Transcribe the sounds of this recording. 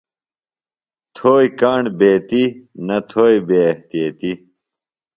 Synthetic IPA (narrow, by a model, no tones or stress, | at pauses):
t̪ʰoːjkaːɳbeːt̪inɐt̪ʰoːjbeːɐht̪ijet̪i